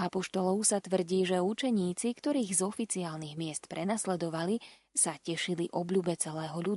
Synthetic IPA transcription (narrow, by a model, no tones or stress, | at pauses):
apɔʃt̪ɔlɔʊsat̪ʋr̩ɟiːʒɛut͡ʃɛɲiːt͡sikt̪ɔɾiːɣzɔfit͡siaːlniɣmɪɛst̪pɾʔɛnaslɛd̪ɔʋali | sacɛʃiliʔɔbʎuːbɛt͡sɛlɛːɦɔʎud̪u